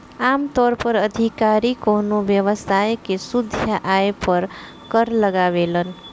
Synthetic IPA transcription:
amt̪ɔɾpəɾəd̪ʱikaɾikonobjəʋəsajkesud̪ʱjaʔaepəɾ | kəɾləɡaβelən

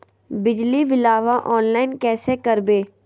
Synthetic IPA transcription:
bɪd͡ʒliʋɪlaːʋaʔɔːnlaːɪnkɛːsekɐɾbeː

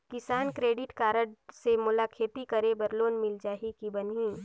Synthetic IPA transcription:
kɪsaːnkɾeːɖɪʈkaːɾəɽsemʊlaːkʰeːt̪ikɐɾebɐɾloːnmɪld͡ʒaːɦikibɐniː

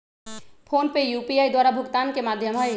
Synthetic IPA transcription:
pʰonpejjupiajd̪waɾabʱoɡt̪ankemad̪ʱjomɦɔe

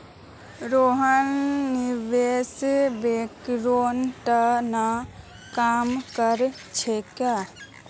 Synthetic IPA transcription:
ɾoːɦənːiʋeːsbekɾoːnʈəna | kaːmkəɾ | t͡ʃʰekjaː

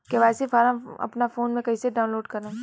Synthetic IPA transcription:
keʋaːsifaːɾãɐ̰pnafoːnmẽkɐiseɖaːʊ̃nloːɖkɐɾã

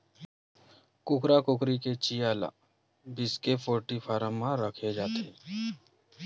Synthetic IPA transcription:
kʊkɾakʊkɾiket͡ʃijaːla̰ː | bɪskepʰoːɾʈipʰaːɾəmːãɾəkʰed͡ʒaːt̪ʰeː

